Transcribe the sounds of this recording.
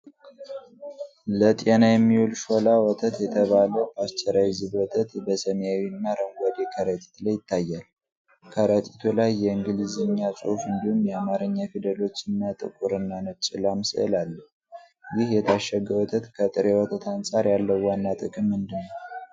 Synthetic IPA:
lət̪ʼenajɛmːiwulʃo̞lawɔt̪ʰət̪jɛt̪ʰəβaləwʔast͡ʃʼːɛɾajzɨβwɔt̪ʰət̪bəsəmjawiɨnːaɾəŋɡʷad̪ekʰəɾət̪ʰʼi̥t̪lajːɪt̪ʰːajːal | kʰəɾət̪ʰʼi̥t̪ʰulajːɛɨŋɡɨlizɨɲːasʼo̰hfɨnd̪ihumjɛamaɾɨɲːafid̪əlo̞t͡ʃːɨnːat̪ʼɨ̰kʼuɾɨnːanət͡ʃʼːɪlamsɨ̰ə̰lalːəh | jɪhjɛt̪ʰaʃːəɡːəwɔt̪ʰət̪kʰət̪ʼɨɾewɔt̪ʰət̪ʰansʼaɾjalːəwwanːat̪ʼɨkʼɨmːɨnd̪ɨnːəw

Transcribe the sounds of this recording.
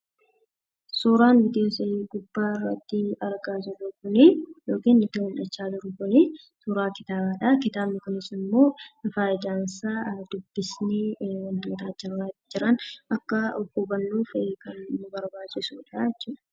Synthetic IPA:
suːɾaːnbɪd̪ɪjoːsɐiːɡʊbːaːɪrːɐt̪ːɪɐɾɡaːd͡ʒɪrʊkʊnɪjo̞ːkiːnːɪt̪ːɪhʊnᶑɐt͡ʃːaːd̪ʊɾʊkʊni | suːɾaːkɪt̪aːbaːᶑɐkɪt̪aːbnɪkʊnɪsɪmːo̞ːɪfaːjɪd̪aːnsaːd̪ʊbːɪsniːwɐnt̪ʊt̪aːd͡ʒɪrːaːt̪ːd͡ʒɪɾɐnʔɐkːɐɔkːubɐnːuːfkɐnːʊbɐɾbaːt͡ʃːɪsuːᶑaːjɛt͡ʃːuːᶑɐ̥

